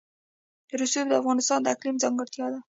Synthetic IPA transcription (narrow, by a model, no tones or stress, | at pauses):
d̪̥əɾusjobd̪əafɣɑnɪst̪ɑnd̪əaqlimzɑŋɡəɾt̪jɑd̪a